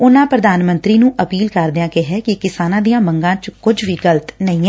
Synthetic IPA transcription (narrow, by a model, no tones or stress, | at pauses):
ʊnãːpɾəd̪aːnmə̃nt̪ɾiːnũːʔəpiːlkəɾd̪ɪjãːkeɦɛːkɪkɪsaːnãːd̪ijãːməŋɡãːt͡ʃkʊd͡ʒʋiːɡəlt̪nəĩːɦɛː